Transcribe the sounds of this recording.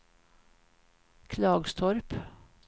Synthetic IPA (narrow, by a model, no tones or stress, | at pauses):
kʰlɑːɡst̪ʰɔɾp